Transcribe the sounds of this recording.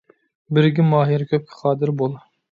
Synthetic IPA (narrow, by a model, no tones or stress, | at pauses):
bɪɾɡʲɪmɑːɦiɾkʲʰøp̚kʲʰɪ̥qʰɑːd̪ɨɾbolˠɨ